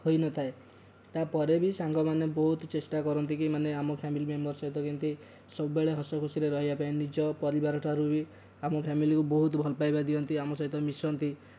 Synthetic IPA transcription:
hojnɔt̪ʰae | t̪apɔɾebisaŋɡɔmanebɔɦut̪t͡ʃesʈakɔɾɔnt̪ikimaneamɔpʰamilimembɔɾsɔɦit̪ɔkint̪i | sɔbubeɭeɦɔsɔkʰosiɾeɾɔɦibapainid͡ʒɔpɔɾibaɾɔʈʰaɾubi | amɔpʰamilikubɔɦut̪ɔbʱɔlɔpajbad̪iɔnt̪iamɔsɔɦit̪ɔmisɔnt̪i

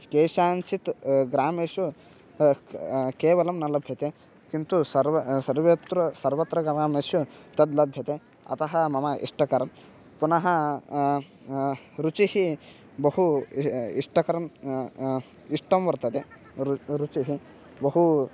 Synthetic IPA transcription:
keːʃaːnt͡ʃit̪ɡɾaːmeːsju | keːʋɐlɐmnɐlɐbʱjɐt̪e | kint̪usɐɾsɐɾʋet̪ɾɐsɐɾʋɐt̪ɾɐɡɾaːmeːsjut̪ɐd̪lɐbʱjɐt̪e | ɐ̰t̪ɐɦɐmɐmɐʔḭʂʈɐkɐɾɐm | punɐɦɐ | ɾut͡ʃihi | bɐhu | iʂʈɐkɐɾɐm | iʂʈɐmʋɐɾt̪ɐt̪e | ɾut͡ʃiɦi | bɐɦu

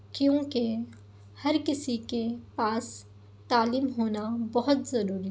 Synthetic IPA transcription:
kjõːke | hɐɾkɪsikepaːs | t̪aːliːmɦoːnabɐɦʊt̪zɐɾuːɾi

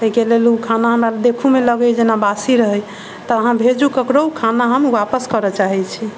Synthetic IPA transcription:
t̪əikelelukʰanaɦəmɾald̪ekʰumeləɡəjd͡ʒenabasiɾəɦəj | t̪ɔəɦãbʱed͡ʒukəkɾoukʰanaɦəmwapəskəɾɔt͡ʃaɦɛt͡ʃʰi

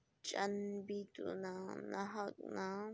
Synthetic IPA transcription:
t͡ʃʼanbit̪ṵnanaɦakna

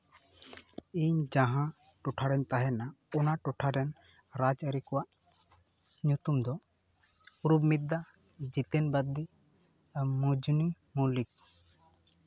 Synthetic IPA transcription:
iɲd͡ʒaɦã | ʈuʈʰaɾɛnt̪aɦɛna | ɔnaʈɔʈʰaɾɛn | ɾad͡ʒəɾikɔwaʔ | ɲut̪umd̪ɔ | uɾubmid̪a | d͡ʒit̪enbad̪ːi | mud͡ʒni | mulik̚

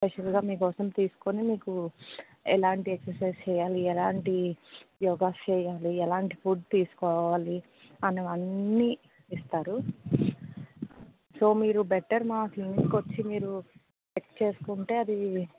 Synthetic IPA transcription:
spɛʂɐlɡaːmiːkɔːsɐmt̪iːsu̥konimiːku | ɛlaːɳʈieksɐɾsɐjst͡ʃɛːjaːliɛlaːɳʈijɔːɡaːt͡ʃɛːjaːliɛlaːɳʈipuɖ̚t̪iːsu̥kɔːʋaːli | ɐneʋɐnːi | ist̪aːɾu | so̞ːmiːɾubeʈːɐɾmaːt̪iŋskot͡ʃːimiːɾu | t͡ʃekt͡ʃe̞ːsu̥kuɳʈe̞ːɐd̪i

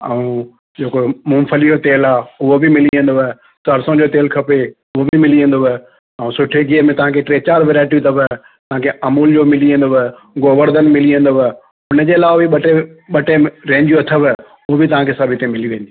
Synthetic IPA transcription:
ɛ̰ũ | d͡ʑeːkomũːmfʰəliot̪eːlaːʊɦobɪmɪliə̃nd̪o | sɐɾsõd͡ʑoːt̪eːlkʰɐpe | ʊɦobɪmɪliə̃n̆d̪oʋ | ɛũsʊʈʰeɡiɦəmẽt̪ɐʋ̤ãːkʰeʈɾeːt͡ɕaːɾʋeːɾaːɪʈ̬it̪ʰɐbə | t̪ɐʋ̤ãkʰeɐmuːld͡ʑoːmɪliə̃n̆d̪oʋ | ɡoːʋəɾd̪ənmɪliə̃nd̪oʋ | ʊnə̆d͡ʑeːɐlaːʋabiɓɐʈeɓɐʈeɾẽːɲd͡ʑijoɐt̪ʰəbə | ʊɦobɪt̪ɐʋ̤ãkʰesɐbʱɪt̪ẽmɪliʋẽːnd̪i

